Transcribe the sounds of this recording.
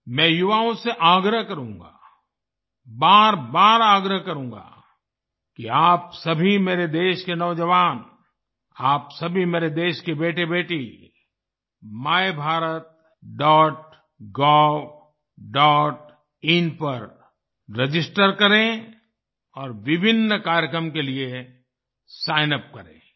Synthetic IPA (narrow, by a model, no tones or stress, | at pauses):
mɛ̃ːjʊʋaõseʔaːɡɾəɦkɐɾũːŋɡa̰ː | baːɾbaːɾaːɡɾəɦkɐɾũːɡa̰ː | kiaːpsɐbʱimeːɾed̪eːʃkenɔʋd͡ʒəʋaːn | aːpsɐbʱimeːɾed̪eːʃkebeːʈebeːʈi | maːjebʱaːɾət̪̚ | ɖɔːʈ̚ | ɡɔːb | ɖɔːʈ | ɪnpɐɾ | ɾed͡ʒɪsʈəɾkɐɾẽ | ɔːɾʋɪbʱɪnːkaːɾjəkɾəmkelie | saːɪnəp̚kɐɾḛ̃ː